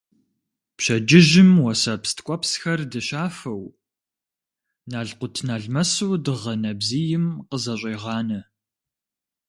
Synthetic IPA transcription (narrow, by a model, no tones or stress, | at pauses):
pɕɐd͡ʒɪʒɪmwɐsɐpstʰkʷʼɔpsxɐrdɨɕaːfɐw | naːɮqʷʊtʰnaːɮmɐsuːdɨʁɐnɐbzijɪmqəzɐɕʷʼeːʁɑːnɐ